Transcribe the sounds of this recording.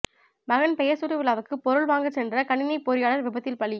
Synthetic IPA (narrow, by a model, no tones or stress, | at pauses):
mɐɣɐnpɛjɐɾsuːɾɐʋɪɭaːʋɯkːɯpːɔɾɯɭʋaːŋɡɐt͡ʃːsɛndrɐkɐɳɪnɐɪpːoːɾɪjaːɭɐɾʋɪbɐt̪ːɪlpɐɭi